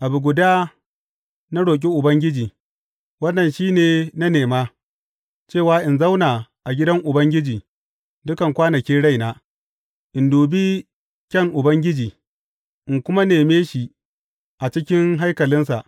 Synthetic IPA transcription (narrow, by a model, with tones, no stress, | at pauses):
ʔa˨bu˨ɡʷʊ˨daː˦ | na˦ɽoː˨k̬ʲʼi˦ʔʊ˨bɐ˦ŋɡʲɪ˦d͡ʒiː˨ | wɐ˦nːɐ˨nʃiː˦neː˨na˦neː˨maː˦ | t͡ʃeː˦˨waː˦ʔɪ˨nza˦wnaː˨ʔa˨ɡʲɪ˦dɐ˦ŋʔʊ˨bɐ˦ŋɡʲɪ˦d͡ʒiː˨ | dʊ˦kɐ˨ŋkʷaː˦nɐ˨kʲiː˦ɽa˦jnaː˦ | ʔɪ˨nduː˨bi˦ | kʲɐ˦ŋʔʊ˨bɐ˦ŋɡʲɪ˦d͡ʒiː˨ | ʔɪ˨ŋkʷʊ˦ma˦neː˨meː˦ʃi˨ | ʔa˨t͡ʃɪ˦kʲɪ˦ŋɦa˦jkɐ˨lɪ˦nsa˨ʔ